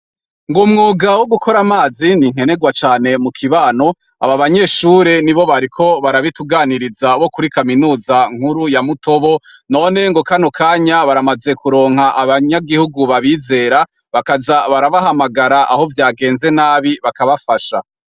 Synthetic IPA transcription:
ŋɡumŋuːɡawoɡuko̞ɾamaːziniŋ̥e̞ne̞ɡwat͡ʃaːne̞mukʰiβaːno̞ | a̰βaβaɲe̞ʃuɾe̞niβo̞βaɾikʰo̞βaɾaβituɡaːniɾizaβokuɾikaminuːzaŋ̥huɾujamuto̞βo̞no̞ːne̞ŋɡokanokʰaːɲaβaɾamaze̞kuɾo̞ːŋ̥haʔaβaɲaɡihuɡuβaβiːze̞ːɾa | βakazaβaɾaβaɦamaɡaɾaʔaho̞vjaːɡe̞ːnze̞naːβiβakaβafaʃa

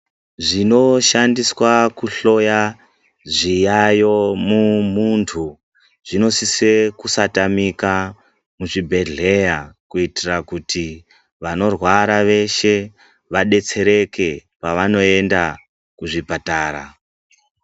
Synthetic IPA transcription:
ʐino̞ʃandiswakuɬo̞ja | ʐijajo̞mumuntʰu | ʐ̥ino̞sise̞kusatamika | muʐibʱe̞ɮe̞jakuitirakuti | ʋano̞rwaɾaʋe̞ʃe̞ | ʋaɗe̞t͡se̞ɾe̞ke̞ | paʋano̞e̞nda | kuʐipataːɾa̰

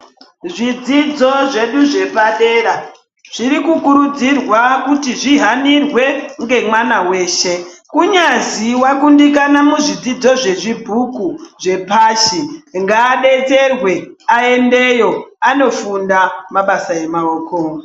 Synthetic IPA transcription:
ʐid͡zid͡zo̞ʐe̞ɗuʐe̞paɗe̞ːɾa | ʐ̥iɾikukuɾud͡zirwakutiʐiɦanirwe̞ŋɡe̞mwanawe̞ːʃe̞kuɲaziwakundik̬anamuʐid͡zid͡zo̞ʐe̞ʐibʱukuʐe̞paːʃiŋɡaːɗe̞t͡se̞rwe̞ae̞nde̞jo̞ano̞fundamaɓasae̞maoːko

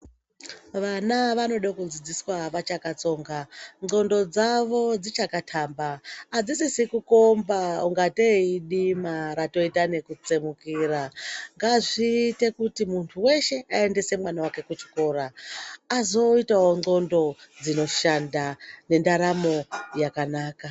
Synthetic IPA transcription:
ʋanaʋano̞ɗakud͡zid͡ziswaʋat͡ʃakat͡so̞ːŋɡaŋ͡ǀo̞ndo̞d͡zaʋo̞d͡zit͡ʃakatʰaːmbaːd͡zid͡zisikuko̞mbauŋɡateiɗimaɾato̞itane̞kut͡semukiːɾaŋɡaʐiːte̞kutimuntʰuwe̞ʃe̞ae̞nde̞se̞mwanawake̞kut͡ʃi̥ko̞ːɾaazo̞itawoŋ͡ǀo̞ndo̞d͡zino̞ʃandane̞ndaɾamo̞jakanaːka

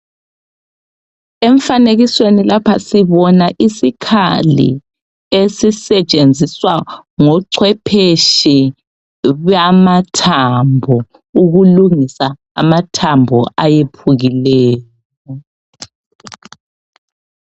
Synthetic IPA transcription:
eɱfaneɣiswenilapʰasiβɔnaʔisikʰa̰lḭ | esisɛt͡ʃʼend͡zʱiswaŋɔǀʰwɛpʰeʃi | βamatʰambʱɔ | uɣuluŋisa̰ː | matʰambʱɔ̰ʔajepʰuɣilɛːjjɔ

